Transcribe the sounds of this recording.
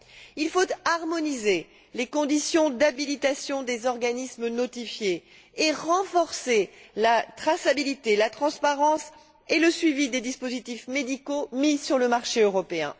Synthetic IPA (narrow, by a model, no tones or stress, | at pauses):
ilfot̪aʁmɔnize | lekɔ̃d̪isjɔ̃d̪abilit̪asjɔ̃d̪ezɔʁɡanismnɔt̪ifjeː | ʁɑ̃fɔʁselat̪χasabilit̪elat̪χɑ̃spaʁɑ̃s | eləsɥivid̪ed̪ispozit̪ifmed̪ikomisyʁləmaʁʃeøʁɔpeɛ̰̃